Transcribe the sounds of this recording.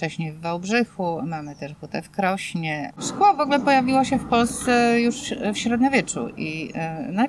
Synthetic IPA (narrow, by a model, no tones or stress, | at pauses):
t͡ʂɛɕɲejvːawbʐɘxumamɘt̪ɛʂt̪ut̪ɛfkɾɔɕɲɛskuavɔɡulɛpɔjavʲiwaɕɛfpɔlst̪sɛjuʂfɕɾɔd̪ɲavʲjɛt͡ʂṵʔina